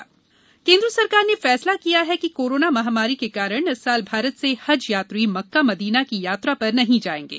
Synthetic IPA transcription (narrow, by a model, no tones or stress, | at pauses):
kẽːnd̪ɾəsɐɾkaːɾnefɛːslakijaɦɛkikoːɾoːnamɐɦaːmaːɾikekaːɾəɽ̃ɐsːaːlbʱaːɾət̪sehɐd͡ʒjaːt̪ɾimɐkːamɐd̪iːnakijaːt̪ɾapɐɾnɐɦĩd͡ʒaːẽːŋɡḛː